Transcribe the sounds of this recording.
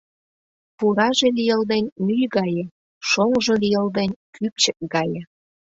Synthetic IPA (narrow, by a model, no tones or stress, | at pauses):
puɾɑʒelʲijə̆ld̪enʲmyjɡɑjĕ | ʃoŋʒolʲijəld̪enʲkʰyp̚t͡ɕək̚ɡɑjĕ